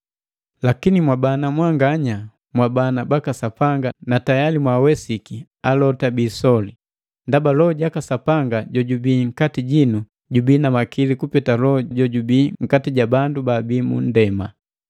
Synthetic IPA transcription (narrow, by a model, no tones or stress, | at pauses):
lakinimwabanamwaŋɡaɲa | mwabanabakasapaŋɡanatajalimwawɛsiki | alɔtabiːsɔli | ndabalɔɟakasapaŋɡaɟɔɟubiːŋ̩katiɟinu | ɟubiːnamakilikupɛtalɔɟɔɟubiːŋ̩katiɟabandubabiːmṵn̩dɛma̰